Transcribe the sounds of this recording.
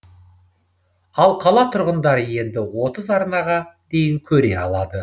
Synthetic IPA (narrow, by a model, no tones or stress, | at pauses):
ɑlˠqʰɑlˠɑt̪ʰʊɾʁənd̪ɑɾəje̞nd̪ɪwo̞t̪əzɑɾnɑʁɑd̪e̞jɪŋkʲʰɵɾe̞ɑ̰lˠɑd̪ə